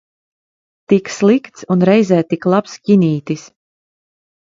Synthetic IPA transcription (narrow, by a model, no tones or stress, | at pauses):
t̪ikslˠikt̪sunɾɛjzɛːt̪iklˠapskʲiniːt̪is